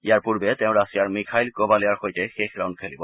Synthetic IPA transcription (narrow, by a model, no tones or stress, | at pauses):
ijaɹpuɹbɛt̪ɛ̃ʊ̃ɹasijaɹmikʰajlkobaliaɹxojtexexɹawndkʰelibɔ